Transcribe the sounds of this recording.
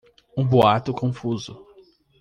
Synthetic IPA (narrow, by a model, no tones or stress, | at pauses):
ũboat̪ʊkõfuzʊ